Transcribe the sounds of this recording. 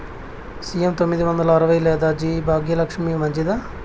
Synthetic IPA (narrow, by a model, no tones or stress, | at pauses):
sijemt̪omːid̪iʋɐnd̪ɐlɐːɾɐʋɐjlɛːd̪aːd͡ʒibʱaːɡjɐlɐkʂɐmimɐɲd͡ʒid̪a